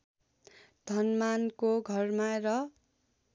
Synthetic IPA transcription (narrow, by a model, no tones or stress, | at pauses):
d̪ʱʌnmankoɡʱʌrmarʌ